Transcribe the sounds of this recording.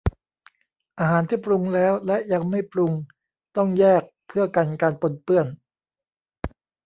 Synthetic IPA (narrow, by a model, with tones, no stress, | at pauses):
ʔaː˧ɦaː˩˦nt̪ʰiː˥˩pɾu˧ŋlɛː˦˥wlɛ˦˥ʔja˧ŋma˥˩jpɾu˧ŋ | t̪ɔ˥˩ŋjɛː˥˩k̚pʰɯ˥˩əka˧nkaː˧npo˧npɯ˥˩ən